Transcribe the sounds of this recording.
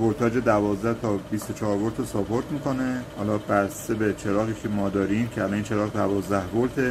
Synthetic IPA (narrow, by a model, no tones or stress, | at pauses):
boɾt̪ʰɒːd͡ʒed̪ævɒːzd̪æht̪ʰɒbist̪ot͡ʃʰɒːɾboɾt̪ʰosɒpʰoɾt̪miːkonehɒ̰ːlɒːbæɾsebet͡ʃʰeɾɒːɣiːcʰemɒːd̪ɒːɾimcʰeælɒniːnt͡ʃʰe̞ɾɒːɣd̪ævɒːzd̪æhboɾt̪ʰe